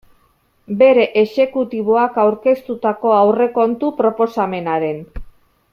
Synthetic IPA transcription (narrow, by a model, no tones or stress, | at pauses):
be̞ɾe̞ʔeʃe̞kut̪iβ̞o̞akawɾke̞st̪ut̪ako̞awre̞ko̞nt̪upɾo̞po̞same̞naɾe̞n